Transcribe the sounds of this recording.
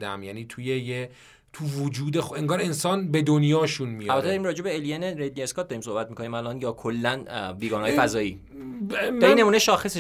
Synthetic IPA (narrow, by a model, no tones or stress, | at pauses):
d̪æmjæniːt̪ʰujeje | t̪ʰuvod͡ʒuːd̪exeŋɡɒːɾe̞nsɒːnbe̞d̪onjɒːʃunmijælbæt̪ʰed̪ɾimɾɒːd͡ʒebeelijeneɾed̪nieskɒt̪̚d̪ɒɾimso̞hbæt̪mikʰo̞niːmælɒnjɒːkʰolːænbiːɡɒːnhɒːjefæzɒːiː | d̪ɒɾinːemuːneʃɒːxese